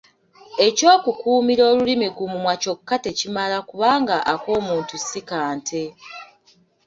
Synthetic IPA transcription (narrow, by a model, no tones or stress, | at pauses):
e̞co̞ːkukuːmiɾo̞ːlulimiɡumumwaco̞kːate̞cimalakuβaːŋɡaʔːko̞ːmuːntusikaːntʰe̞